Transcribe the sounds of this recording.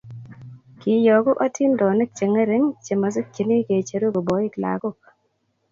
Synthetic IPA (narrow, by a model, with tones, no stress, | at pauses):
ki˨jɔ˨ko˦ka˦tʰi˦ndɔ˨nɪ˦k̚t͡ʃe˨ŋe˦ɾe˦ŋt͡ʃe˨ma˨s̬ɪ˦k̚t͡ʃi˨ni˦ke˨t͡ʃe˨˦ɾu˦ko˨bɔ˨˦i˦kla̰˨ko˦k̚